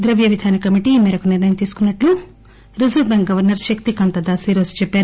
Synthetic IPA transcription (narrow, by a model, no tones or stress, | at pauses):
d̪ɾɐʋjɐʋid̪ʱaːnikɐmiʈimɛːɾɐkuniɾnɐjɐmt̪iːsu̥kunːɐʈlu | ɾizɐbeŋkɡɐʋɐɾnɐɾʃɐkt̪ikɐnt̪ɐd̪aːsiːɾoːsu̥t͡ʃɛpːaːɾu